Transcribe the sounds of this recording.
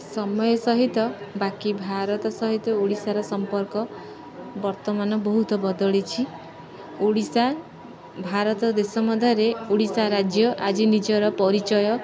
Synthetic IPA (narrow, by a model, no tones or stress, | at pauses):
sɔmɔjɔsɔɦit̪ɔbakibʱaɾɔt̪ɔsɔɦit̪ɔoɽisaɾɔsɔmpɔɾkɔ | bɔɾt̪ɔmanɔbɔɦut̪ɔbɔd̪ɔɭet͡ʃʰi | oɽisa | bʱaɾɔt̪ɔd̪esɔmɔd̪ʱaɾeoɽisaɾad͡ʒjɔʔad͡ʒinid͡ʒɔɾɔpɔɾit͡ʃɔjɔ